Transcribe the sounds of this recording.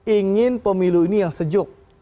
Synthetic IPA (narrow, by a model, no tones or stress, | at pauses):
iŋɪnpəmiluinijaŋsəd͡ʒʊk̚